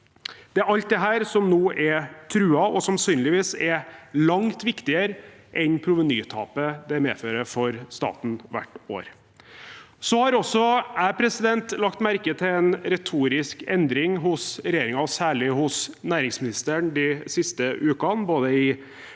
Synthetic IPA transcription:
d̪̥ɛæɾɑlt̪̚d̪ɛɦæːɾsɔmnuːʔɛt̪ʰɾʉːɑɔsɑnsyːnlɪʋiːsɛlɑŋt̪ʋɪkt̪ɪəɾʔɛnpʰɾʊʋənyːt̪ʰɑ̰ːpəd̪ɛmḛːføːɾəfɔɾst̪ɑ̰ːt̪n̩ʋæ̰ʈːo̰ːɾ | sɔhɑɾɔsːɔæːɾpʰɾɛsɪd̪ɛnt̪lɑkt̪mæɾkət̪ʰɪlɛnɾɛt̪ʰuːɾɪskɛnd̪ɾɪŋɦʊsɾɛjeːɾɪŋɑsæːɭɪɦʊsnæːɾɪŋsmɪnɪst̪əɳd̪ɪsɪst̪əʔʉːkɑnboːd̪əɪ

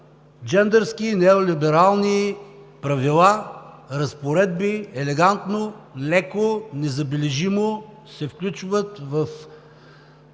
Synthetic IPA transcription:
d͡ʒɛnd̪ɛɾskinɛolibɛɾalˠni | pɾɐvilˠaɾɐspoɾɛd̪biɛlɛɡant̪nolɛkonɛzɐbɛlɛʒimo | sɛfklʲut͡ʃvət̪vəf

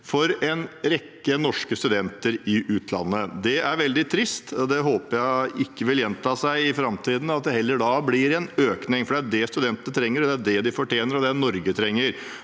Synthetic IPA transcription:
fɔɾɛnɾɛkːənɔʂkəst̪ʉd̪ɛnt̪əɾɪʔʉːt̪ʰlɑ̰nːəd̪ɛʔæɾʋɛld̪ɪt̪ʰɾɪst̪ɔd̪ɛɦoːpəɾjæɪɪkːəʋɪljɛnt̪ʰɑːsæɪɪfɾɑmt̪ʰiːd̪n̩ɑt̪̚d̪ɛɦɛlːəɖɑːblɪɾɛnøːknɪŋfɔɖɛæɖɛst̪ʉd̪ɛnt̪ənət̪ʰɾɛŋːəɾɔd̪ɛæɖɛd̪ɪfɔʈjeːnəɾɔd̪ɛnɔɾɡət̪ʰɾɛŋːəɾ

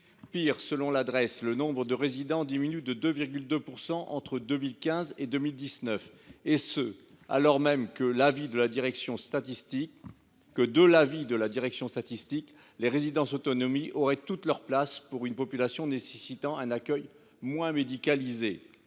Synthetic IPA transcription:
piʁsəlɔ̃lad̪ʁɛslənɔ̃bʁəd̪əʁezid̪ɑ̃d̪iminyd̪əd̪øviʁɡʲyld̪øpuʁsɑ̃ʔɑ̰̃t̪χəd̪ømilkʲɛ̃zed̪ømild̪isnœf | esə | a̰lɔʁmɛmkəlavid̪əlad̪iʁɛksjɔ̃st̪at̪ist̪i | kːəd̪əlavid̪əlad̪iʁɛksjɔ̃st̪at̪ist̪ik | leʁezid̪ɑ̃sot̪ɔnɔmiɔʁɛt̪ut̪lœʁplaspuʁynpɔpylasjɔ̃nesesit̪ɑ̃ɛ̃nakʲœj | mwɛ̃med̪ikalize

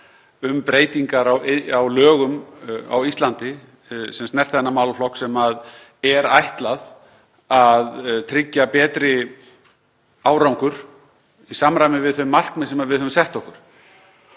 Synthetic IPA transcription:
ʏmpɾeːjt̪iŋkaɾawawlœːɣʏma̰wist̪lant̪ɪ | sɛmst̪nɛr̥t̪θɛnːamaːwlflɔhksɛmað | ɛɾajht̪lað | aðt̪ʰɾɪcːapɛːt̪ɾɪ | aːwɾawŋkʏɾ̥ | isamɾajmɪvɪðθʏmːar̥knɪsɛmaðvɪðœːvʏmsɛht̪ɔhkʏɾ̥

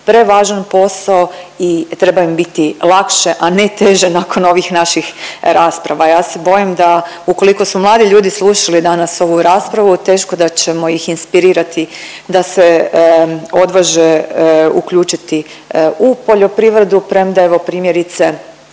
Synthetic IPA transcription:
pɾe̞ʋaːʒanpo̞saoit̪ɾe̞baimbit̪ilˠakʃe̞ʔanet̪e̞ʒe̞nako̞no̞ʋixnaʃixɾaːspɾaʋajaːse̞bo̞jimd̪a | uko̞liko̞sumlˠaːd̪iʎuːd̪islˠuʃalid̪anaso̞ʋuɾaːspɾaʋut̪e̞ːʃko̞d̪at͡ɕe̞mo̞jixinspiɾiːɾat̪i | d̪ase | o̞d̪ʋaʒeukʎuːt͡ʃit̪i | upo̞ʎo̞pɾiʋɾe̞d̪upɾemd̪ae̞ʋo̞pɾiːmje̞ɾit̪se

